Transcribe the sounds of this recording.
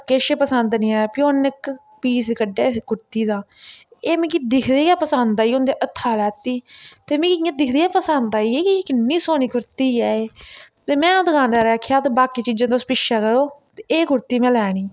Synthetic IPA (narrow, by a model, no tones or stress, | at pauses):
keːʃeːpəsənd̪nĩːaːpɪjoːnɪk | piːskəɖeːɡʊɾt̪iːd̪ãːeːmĩːkid̪ɪkʰd̪eːɛːpəsənd̪aːiːond̪eːʔət̪ʰːaːlɛːt̪ːiːt̪eːmĩːɪjãːd̪ɪkʰd̪eːɛːpəsənd̪aːiːeːkɪ̃kɪnːiːsoːniːkʊɾt̪iːɛːeː | t̪eːmɛ̃ːãːd̪əɡãːnd̪aːɾɛːkʰjaːt̪eːbaːkiːt͡ʃiːd͡ʒãːt̪ospɪʃaːkəɽoːt̪eeːɡʊɾt̪iːmɛ̃ːlɛːɽ̃iː